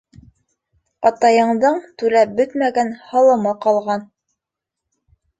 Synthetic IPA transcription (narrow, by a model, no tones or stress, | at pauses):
ɑt̪ɑjɤ̆ɴd̪ɤɴt̪ʉɾæp̚bɵt̪mæɡænhɑlˠɤ̆mɤqɑlˠʁɑn